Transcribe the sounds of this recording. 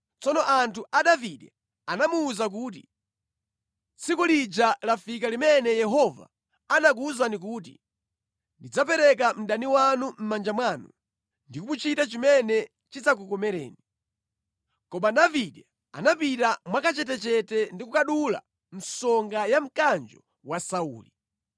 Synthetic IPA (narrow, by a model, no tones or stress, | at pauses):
t͡sɔnɔʔantʰuʔaɗaviɗɛ | anamuːzak̬uːt̬ḭ | t͡sʰikulid͡ʒalafik̬alimɛnɛjɛɦɔva̰ | anak̬uzanik̬uːt̬ḭ | ndid͡zapɛɾɛk̬am̩ɗaniwanum̩mand͡ʒamwanṵ | ndikumut͡ʃitat͡ʃimɛnɛ | t͡ʃit͡sak̬ukɔmɛɾɛ̰ːni | kɔɓaɗaviɗa | a̰napitamwakat͡ʃɛtɛt͡ʃɛtɛndik̬ukaɗula̰ | n̩sɔŋɡajam̩kand͡ʒɔ | wasaṵːli